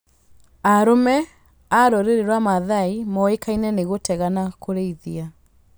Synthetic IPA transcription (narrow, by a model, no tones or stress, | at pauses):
aɾomɛ | aɾɔɾeɾeɾwamaðaimɔekainɛneɣotɛɣanakoɾeiðia